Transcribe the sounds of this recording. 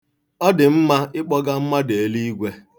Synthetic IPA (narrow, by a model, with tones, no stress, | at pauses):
ɔ˦dɪ˨m̩˦ma˦ɪ˦k͡pɔ˦ɡa˦m̩˦ma˦de˨e˨li˦i˦ɡʷe˦